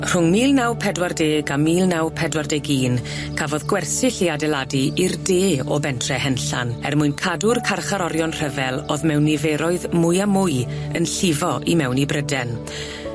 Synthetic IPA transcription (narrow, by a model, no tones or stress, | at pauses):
r̥ʊŋmiːlˠnawpʰɛdwardeːɡamiːlˠnawpʰɛdwardeːɡiːn | kʰavɔðɡwɛrsɪɬiadɛladiirdeːɔ̰bɛntʰrɛhɛnɬa̰nɛ̰rmʊjnkʰadʊrkʰarχaɾɔɾjɔnr̥əvɛlˠoːðmɛwnɪvɛɾɔɨðmʊɨamʊɨ | ənɬɪvɔʔimɛwnibrədɛn